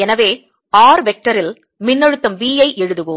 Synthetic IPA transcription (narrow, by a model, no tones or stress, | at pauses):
ɛnɐʋeː | aːɾʋɛk̚ʈɐɾɪl | mɪnːɐɻɯt̪ːɐmʋiːjɐɪʔɛɻɯðɯɣɯm